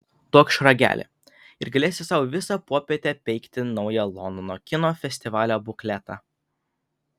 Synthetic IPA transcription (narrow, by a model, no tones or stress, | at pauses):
t̪oːkʃɾɐɡʲæ̰ːlʲɪ̰ | ɪ̰ɾɡɐlʲeːsʲɪsɑʊʋʲɪsɑpuɔpʲeːt̪ʲɛpʲɛɪkt̪ʲɪnɒʊjɛlˠɔnd̪ɔnoːkʲɪnoːfʲɛsʲt̪ʲɪʋɑːlʲoːbʊklʲɛt̪ɑ̰